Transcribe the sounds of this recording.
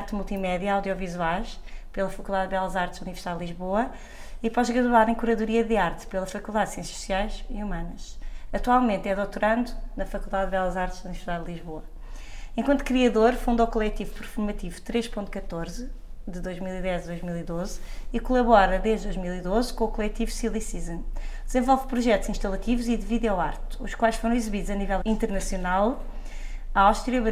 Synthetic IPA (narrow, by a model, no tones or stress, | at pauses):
ɾt̪mulˠt̪imɛðjɐawðjɔvizwajʃpelˠɐfɐkulˠd̪aðβɛlˠɐzaɾt̪ʒunivɾsiðalˠd̪lˠiʒβoɐ | ipɔʒɣɾɐðwaðẽkuɾɐðuɾiɐðɨaɾt̪pelˠɐfɐkulˠd̪aðsiẽsjɐ̥su̥siajʃiumɐnɐʃɐt̪walˠmẽnt̪ɛðot̪uɾɐ̃nd̪unɐfɐkulˠd̪aðβɛlˠɐzaɾt̪ʒ̥ɐunivɨɾsiðaðd̪lˠiʒβoɐ | ẽŋkwɐ̃nt̪u̥kɾiɐðoɾfũnd̪ɔwkulˠɛt̪ivupɨɾfuɾmɐt̪ivu̥t̪ɾeʃpõnt̪kɐt̪oɾz | d̪ɨd̪ojʒmilˠiðɛzɐðojʒmilˠiðozikulˠɐβɔɾɐðeʒd̪d̪ojʒmilˠiðozkõukulˠɛt̪ivusilˠisizɐ̃nd̪zẽvɔlˠvpɾuʒɛt̪uzĩʃt̪ɐlˠɐt̪ivuziðviðɔwaɾt̪uʃkwajʃfoɾɐ̃w̃izɨβiðuzɐnivɛlˠĩnt̪ɨɾnɐsjunalˠ | aawʃt̪ɾiɐβ